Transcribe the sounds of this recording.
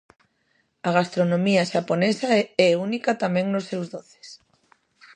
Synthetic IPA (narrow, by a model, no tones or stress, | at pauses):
aɣast̪ɾonõmiaʃaponesaɛunikat̪amɛ̃ŋnʊsːewzðoθɪ̥s